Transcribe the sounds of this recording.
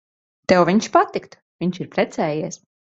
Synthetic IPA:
t̪ɛwviɲʃpat̪ikt̪ | vʲiɲt͡ʃiɾpɾɛt̪sɛːjiɛs

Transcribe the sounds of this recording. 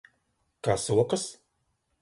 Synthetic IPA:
kaːsuɔkɨs

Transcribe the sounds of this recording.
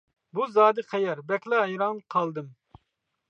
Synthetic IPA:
buzɑːd̪ɨqʰɛjɛɾbɛkʲlɛɦɛjɾɑnqʰɑlˠd̪ɨm

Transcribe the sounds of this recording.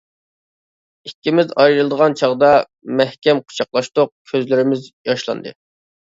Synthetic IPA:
ikʲːimɪzɑjɾɨlˠd̪əʁɑnt͡ʃʰɑʁd̪ɑ | mɛhkʲɛmqʰʊ̥t͡ʃʰɑqlˠɑʃt̪ʊq̚kʲʰøzlɪɾɪmɪzjɑʃlˠɑ̰nd̪ɨ̰

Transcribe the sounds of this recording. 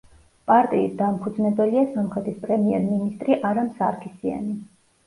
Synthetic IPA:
pʼaɾt̪ʼiːt̪̚d̪ampʰud̪znɛbɛliasamχɾɛt̪ʰispʼɾɛmiɛɾminist̪ʼɾiʔaɾamsaɾkʰisia̰ni

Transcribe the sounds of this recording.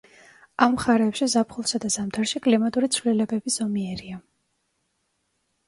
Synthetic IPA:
amːχaɾɛːpʃizapʰχulˠsad̪azamd̪ʰaɾʃikʼlimat̪ʼuɾit̪sʰvlilɛbɛbiz̥ɔmiɛɾia

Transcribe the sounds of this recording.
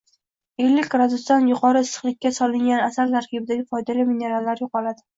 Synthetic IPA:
elːɪkʲɡɾad̪ʊst̪anjʊqʰɒɾɪɪsɨ̥χlˠɪkʲːasɒlɪŋɡʲanasalt̪ʰaɾkʲʰɪbɪd̪aɡʲɪfɒjd̪alamine̞ɾalːaɾjoqɒlad̪ɪ

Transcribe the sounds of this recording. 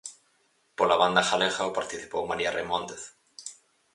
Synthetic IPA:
polaβand̪axalexaopaɾt̪iθipowmaɾiaremõnt̪eθ

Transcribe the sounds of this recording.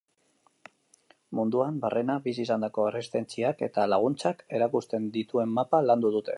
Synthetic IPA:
mund̪uambarʔenabisisand̪ako̞erest̪e̞nt͡siake̞̰t̪alaɣ̞unt͡sake̞ɾakust̪e̞nd̪it̪ue̞mːapaland̪uðut̪e̞̰

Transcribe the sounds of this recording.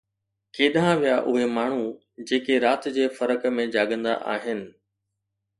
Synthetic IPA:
keːɗãʋijaʔʊɦemaːɳ̤u | d͡ʑeːkeɾaːt̪d͡ʑeːfɐɾəkə̆mẽd͡ʑaːɠə̃nd̪a̰ʔa̰ːɦɪnɪ̆

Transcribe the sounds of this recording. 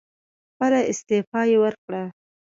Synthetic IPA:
pəɾaɪst̪efɑjewəɾkɽa

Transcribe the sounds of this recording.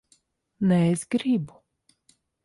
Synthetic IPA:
nɛezɡɾibu

